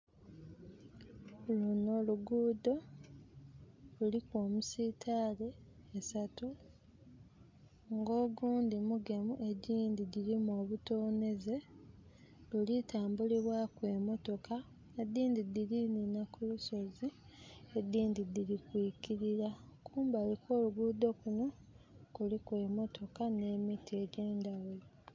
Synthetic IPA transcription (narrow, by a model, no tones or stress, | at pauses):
luno̞ːluɡuːdo̞ | lulikwo̞ːmusiːtʰaːle̞ːsatu | ŋɡo̞ːɡuːndimuɡe̞muʔe̞ɟiːndiɟiɾimo̞ːβutoːne̞ze̞ | ulitaːmbuliβwakwe̞ːmo̞to̞ka | ed̪ːiːndidilininakuluso̞zi | e̞d̪ːiːndid̪iɾikwiːciɾiɾakuːmbaːlikʰo̞ːluɡud̪o̞kuno̞ | kulikwe̞ːmo̞tʰo̞kane̞mitie̞ɟeːndawe